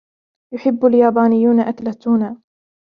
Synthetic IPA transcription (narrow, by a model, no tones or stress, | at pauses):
jʊħɪbːaljaːbaːnɪjːuːnaʔat̪lat̪ːuːnaː